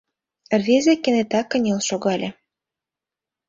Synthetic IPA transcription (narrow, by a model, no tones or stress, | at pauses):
rβezĕkenet̪ɑkːə̆nʲelʃoɣɑlʲĕ